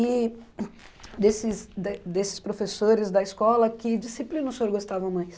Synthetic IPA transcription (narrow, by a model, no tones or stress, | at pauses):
i | d̪esɪsd̪d̪esɪ̥spɾofesoɾɪzd̪ɐɪskɔlɐkɪd͡ʒisiplĩnʊsoɾɡost̪avɐ̃w̃mãj̃s